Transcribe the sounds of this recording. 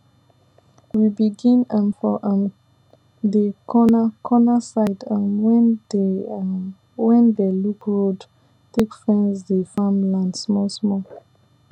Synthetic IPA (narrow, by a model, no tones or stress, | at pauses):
wibiɡĩnə̃mfɔʔə̃m | dəkʰɔnakʰɔnasaɪdə̃mwɛ̃n | wɛ̃ndelukɹod | tekfɹɛ̃nsdefãmlãndsmɔsmɔ